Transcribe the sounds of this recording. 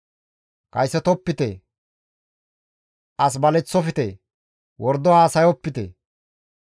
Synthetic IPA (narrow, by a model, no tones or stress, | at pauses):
kɐjsːɛt̪ɔpːɪt̪ḛ | ʔɐs̬bɐlɛt͡sːɔfɪt̪e | wɔɾd̪ɔhaːsɐjɔpːɪt̪ḛ